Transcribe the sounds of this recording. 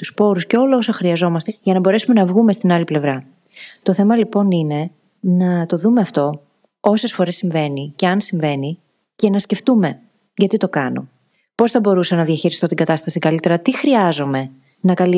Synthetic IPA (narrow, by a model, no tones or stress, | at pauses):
t̪uspo̞ɾusce̞o̞lɐo̞sɐxɾiɐzo̞mɐst̪eʝɐnɐbo̞ɾe̞sume̞nɐvɣume̞st̪inɐliple̞vɾɐ | t̪o̞θe̞mɐlipo̞nine̞ | nɐt̪o̞ðumeɐft̪o̞ | o̞se̞sfo̞ɾe̞sːiɱve̞nice̞ɐnsiɱve̞ni | ce̞nɐsce̞ft̪ume̞ | ʝɐt̪it̪o̞kɐno̰ | po̞sθɐbo̞ɾusɐnɐðiɐçiɾist̪o̞t̪iŋɡɐt̪ɐst̪ɐsikɐlit̪e̞ɾɐt̪ixɾiɐzo̞me̞ | nɐkɐli